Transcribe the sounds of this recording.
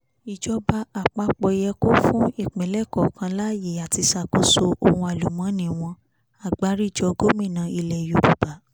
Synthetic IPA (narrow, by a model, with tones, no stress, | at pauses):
i˨d͡ʒɔ˧ba˧˦a˨k͡pa˧k͡pɔ˧jɛ˧ko˦fũ˦i˦˨k͡pɛ̃˨lɛ˦kɔ˨kã˧la˦je˨a˨ti˧sa˧˨ko˦so˧˦o˧˨hũ˧a˨lu˨mã˨˦nĩ˨w̃ɔ̃˧ | a˦˨ɡ͡ba˨˦ɾi˦˨d͡ʒɔ˧ɡo˦mĩ˦˨nã˨˧i˧lɛ˨ju˨bu˨ba˨˦